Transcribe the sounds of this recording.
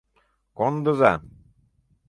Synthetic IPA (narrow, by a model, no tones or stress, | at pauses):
kɔnd̪oza